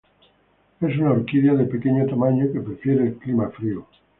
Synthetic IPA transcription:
e̞s̬unaoɾkiðjaðepe̞ke̞ɲot̪amaɲoke̞pɾefje̞ɾeːlklimafɾio

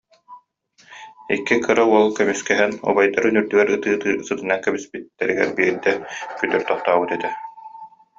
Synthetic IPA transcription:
ḭkːikɯɾauɔlˠkœmyskɛɦɛnɔ̰bajd̪aɾynyɾd̪yɡɛɾɯt̪ɯːt̪ɯːsɯt̪ɯnaŋkɛbispit̪ːɛɾiɡɛ̰ɾbiːɾd̪ɛkyt̪œɾt̪ɔχt̪aːbɯt̪ɛt̪ɛ

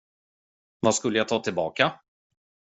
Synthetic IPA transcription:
vaskɵlːəjat̪ʰɑːt̪ʰɪlbɑːka

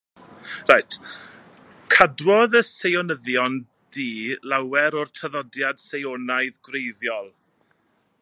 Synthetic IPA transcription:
rajtʰ | kʰadwɔðəsejɔnəðjɔn | d̥iːlˠawɛɾɔrtʰəðɔdjad̥sejɔnajðɡwrejðjɔlˠ

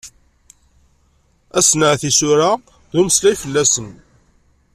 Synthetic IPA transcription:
æsnəʕθisʊɾa | ðuməslæjfəlːæsən

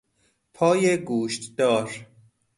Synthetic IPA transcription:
pʰɒːjeɡuːʃt̪d̪ɒːɾ

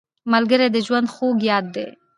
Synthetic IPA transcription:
malɡəɾed̪əʒwand̪xoɡjɑd̪ːḛ

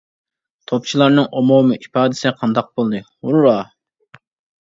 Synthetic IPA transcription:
t̪ʰop̚t͡ʃʰilˠɑɾnɨŋʔomomɨʔipɑːd̪ɨsɪqʰɑnd̪ɑq̚bolˠd̪ɨhuɾːɑ

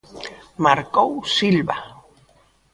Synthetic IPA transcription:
maɾkowsilβa

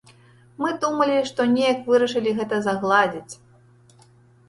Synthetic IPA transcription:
mɨd̪umɐlʲiʂt̪ɔnʲejɐkvɨɾɐʂɨlʲiɣɛt̪ɐzaɣlˠad͡zʲit͡sʲ

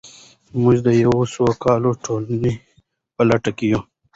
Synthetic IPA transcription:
mʊʒd̪əjawosokɑːloʈʰoləne | pəlɐʈakeju

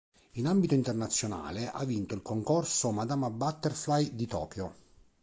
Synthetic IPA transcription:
inambit̪oint̪ernat̪sːjona̰ːleʔa̰vːint̪oilkoŋkorsomad̪amabat̪ːerflajd̪it̪ɔ̰ːkjo

